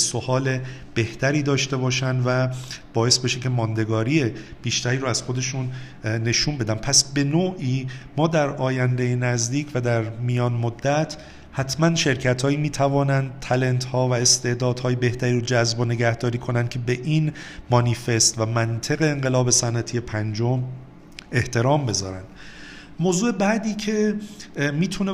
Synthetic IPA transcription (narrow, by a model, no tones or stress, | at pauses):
so̞hɒːle̞b̥e̞ht̪ʰæɾiːd̪ɒːʃt̪e̞bɒːʃænd̪væb̥ɒːje̞sbe̞ʃe̞cʰe̞mɒːnd̪e̞ɡɒːɾiːeb̥iːʃt̪æɾiːɾoæz̥xod̪e̞ʃun | ne̞ʃuːnbe̞d̪æmpʰæsbe̞noːʔiːmɒːd̪æɾɒːjænd̪ejenæzd̪iːcʰvæd̪æɾmijɒːnmod̪ːæt̪ʰ | hæt̪ʰmænʃe̞ɾcʰæt̪ʰhɒːimiːt̪ʰævɒːnænd̪̥̚t̪ʰæle̞nt̪hɒːvæest̪e̞ʔd̪ɒːd̪hɒːjebe̞ht̪ʰæɾiɾod͡ʒæzbone̞ɡæhd̪ɒːɾiːkʰo̞nænd̪kʰʲcʰe̞be̞ʔinmɒːnife̞st̪væmænt̪ʰe̞ɣe̞ːŋɢe̞lɒːbe̞sænæt̪ʰije̞pʰænd͡ʒo̞m | e̞ht̪ʰe̞ɾɒːmbe̞zɒːɾænd̪̥ | moːzuːebæd̪iːcʰe̞ | miːt̪ʰune